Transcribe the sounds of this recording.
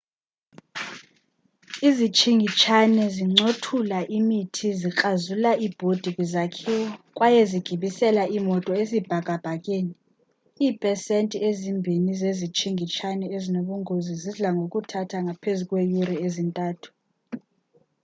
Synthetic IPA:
izit͡ʃʰiŋʱit͡ʃʰanɛziŋ͡ǀotʰulaʔimitʰizikʼazulaʔib̥ʱod̥ʱikʼzakʰɛɔk̬ʼwajeziɡ̥ʱiɓisɛlaʔimɔtʼɔezib̥ʱaɡ̥ʱʼab̥ʱak̬ʼeːni | iːpʼɛsentʼiezimbʱinizezit͡ʃʰʼiŋɡʱit͡ʃʰanɛezinoɓuŋoziziɮaŋok̬ʼutʰatʰaŋapʰezukʼwejuɾiezintʼaːtʰu̥

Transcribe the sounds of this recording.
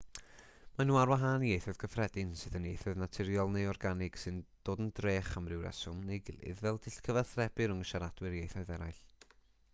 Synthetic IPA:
manuːarwaɦaniejθɔð̥ɡəfrɛdɪnsɨðənejθɔðnatʰɪɾjɔlˠnejɔrɡanɪɡ̥sɨnd̥oːdəndreːχamrɪwɾɛ̰sʊmnejɡɪ̰lˠɨ̰ðvɛlˠd̥ɪɬtkʰəvaθrɛbɨɾʊŋəʃaɾad̥wɨɾjejθɔɨðɛɾajɬ

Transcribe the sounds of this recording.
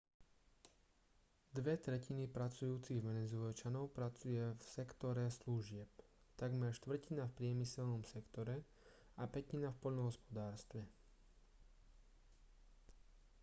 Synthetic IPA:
d̪ʋɛt̪ɾɛcinipɾat͡sujuːt͡siɣʋɛnɛzʊɛlt͡ʃanɔʊpɾat͡sujɛfsɛkt̪ɔɾɛsluʒɪɛpt̪aɡmɛɾʃt̪ʋr̩cinafpɾɪɛmisɛlnɔmsɛkt̪ɔɾɛ | apɛcinafpɔʎnɔɦɔspɔd̪aːɾst̪ʋɛ

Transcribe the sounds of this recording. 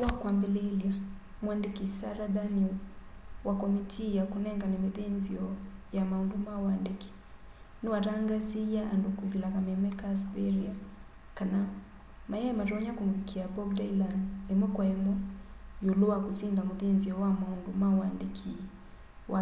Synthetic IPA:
wakwambɛlɛliamwandikisaɾadanuzwakɔmitʰijakunɛŋɡanɛmiðɛnziɔjamaundumawandiki̥ | nuwaɾaŋɡazijaʔandukuzilakamɛmɛkasbɛɾia | kana | majɛɛmaɾɔɲakumuɾikʰiabɔɡdailandlɛmɔkwaɛmɔjuluwakusindamuðɛnziɔwamaundumawandikʰi | wa

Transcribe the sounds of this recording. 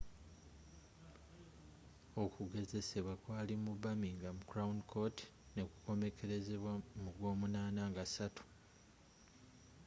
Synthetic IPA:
o̞kuɡe̞ze̞se̞βwakwaːlimuβamiŋɡamukuɾaundikʰo̞ti̥ | nekuko̞me̞kʰe̞ɾe̞ze̞βwamuɡwo̞ːmunaːnaŋɡasatu̥

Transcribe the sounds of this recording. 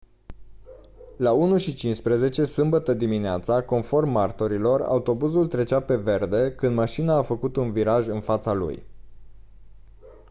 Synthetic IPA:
launuʃit͡ʃint͡ʃspɾəze̞t͡ʃe̞sɨmbət̪əd̪imineat̪sako̞nfo̞rmːart̪oɾilo̞ra̰ut̪o̞buzult̪ɾe̞t͡ʃape̞ve̞rd̪e̞kɨnd̪maʃinaːfəkut̪unviɾaʒɨnfat̪salṵj

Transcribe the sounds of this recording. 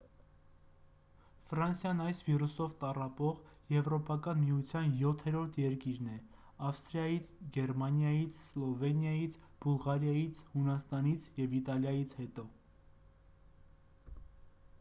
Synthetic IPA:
fɾɑnsjɑnɑjsvirusɔvt̪ɑrɑpɔʁ | jɛvɾɔpɑkɑnmijut͡sʰjɑnjɔt̪ʰɛɾɔɾt̪ʰjɛɾkiɾnɛ | ɑfst̪ɾjɑjit͡sʰɡɛɾmɑnjɑjit͡sʰslɔvɛnjɑjit͡sʰb̥ulʁɑɾjɑjit͡sʰhunɑst̪ɑnit͡sʰjɛvit̪ɑljɑjit͡sʰhɛt̪ɔ

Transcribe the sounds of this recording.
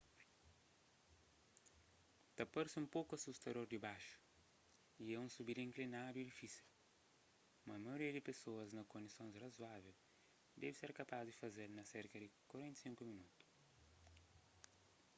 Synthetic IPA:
t̪ɐpaɾsɪũmpowkuɐsust̪ɐd̪oɾd̪ɪbaʃu̥ | iɛũsubiɾĩŋklinad̪uid̪ifisil | mɐmɐjoɾiɐd̪ɪpesoɐznɐkõnd̪isõñzrɐzwavew | d̪ɛvɪseɾkɐpazd̪ɪfɐzeɾnɐseɾkɐd̪ɪkwɐɾẽnt̪sĩŋkuminut̪u̥

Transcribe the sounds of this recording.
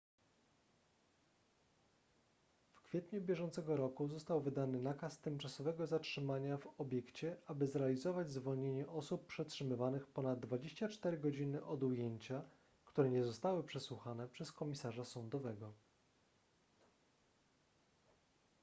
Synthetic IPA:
fkfʲjɛt̪ɲubʲjɛʐɔnt̪sɛɡɔɾɔkuzɔst̪awvɘd̪anɘnakast̪ɘmt͡ʂasɔvɛɡɔzatʂɘmaɲavɔbʲjɛkt͡ɕɛʔabɘzɾɛalʲizɔvad͡ʑzvɔlɲeɲɛʔɔsupːʂɛtʂɘmɘvanɘxpɔnad̪̚ːvad͡ʑeɕt͡ɕat͡ʂt̪ɛɾɘɡɔd͡ʑinɘʔɔd̪ujeɲt͡ɕa | kt̪uɾɛɲɛzɔst̪awɘpʂɛswuxanɛpʂɛskɔmʲisaʐasɔnd̪ɔvɛɡɔ

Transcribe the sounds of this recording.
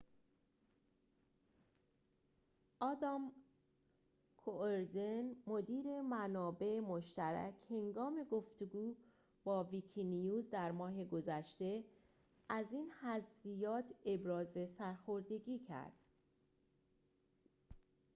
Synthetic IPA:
ʔɒːd̪ɒm | kʰoʔeɾd̪enmo̞d̪iːɾe̞mænɒːbe̞emoʃt̪æɾæ̰cʰhe̞ŋɡɒːme̞ɡo̞ft̪eɡuː | bɒːvikʰinijuːzd̪æɾmɒːɦe̞ɡo̞zæʃt̪e̞ | ʔæziːnhæzvijɒːt̪ʰe̞bɾɒːze̞sæɾxo̞ɾd̪e̞ɟiːcʰæ̰ɾd̪̥

